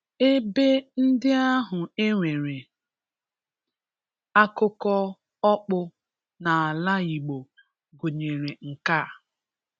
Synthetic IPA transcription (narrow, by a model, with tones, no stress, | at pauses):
e˦be˦n̩˦dɪ˦a˦ɦʊ˨e˦ŋʷe˨ɾe˨ | a˦kʊ˦kɔ˦ | ɔ˦k͡pʊ˦ | na˨a˨la˦i˨ɡ͡bo˨ | ɡo˨ɲe˨ɾe˨ŋ̩˨ka˦˨